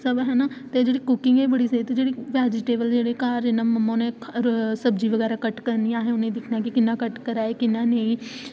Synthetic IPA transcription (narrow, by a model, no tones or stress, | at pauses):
səbɦɛːnat̪ed͡ʒeːɽikʊkɪ̃ŋɡɛbəɽisɐit̪ed͡ʒeːɽiʋɛːd͡ʒɪʈeːbəld͡ʒeːɽekaːɾenammɐmːãnẽsɐbd͡ʒiʋəɣɛːɾakəʈkəɾniaːɦɛ̃ʊnẽd̪ɪkʰnakikɪnːakəʈkəɾaːekɪnːanẽĩ